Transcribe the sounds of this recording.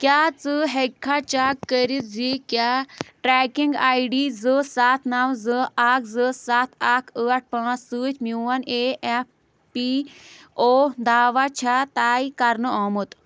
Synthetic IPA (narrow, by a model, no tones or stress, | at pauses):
kʲjaːt͡sɨɦekʰːat͡ʃaːkːəɾit̪̚zikjaːʈɾɛːkiŋɡaːjɖiːzɨsat̪ʰnawzɨʔakzɨsat̪ʰakʰəːaʈ̚ʰpãːt͡ssɨːt͡ʃʰmjuʋɐneʔef | pi | oːd̪aːʋat͡ʃʰat̪aːikɐɾnɨoːmɨt̪